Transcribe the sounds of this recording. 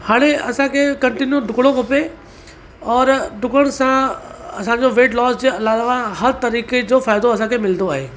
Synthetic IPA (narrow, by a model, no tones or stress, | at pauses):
haːɽ̃eɐsãkʰekɐ̃ɳʈɪnjud̪ʱʊkɽõkɐpe | ɔːɾd̪ʱʊkəɽ̃sãɐsãːɲd͡ʑoʋeːʈlɔːsd͡ʑiɐlaːʋãɦɐɾt̪ɐɾiːked͡ʑofaːjd̪oɐs̬ãkʰemɪld̪oaːɦḛː